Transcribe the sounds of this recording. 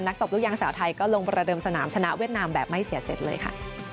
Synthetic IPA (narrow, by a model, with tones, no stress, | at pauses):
na˦˥k̚t̪o˨˩lu˦˥k̚jaː˧ŋsaː˩˦wt̪ʰa˧jkɔː˥˩lo˧ŋpɾa˧dɤː˧msa˧naː˩˦mt͡ɕʰa˧na˦˥ʔwi˥˩ət̪̚naː˧mbɛː˨˩p̚ma˥˩jsi˩˦ɐse˨˩t̪̚lɤ̰ː˧jkʰa̰˥˩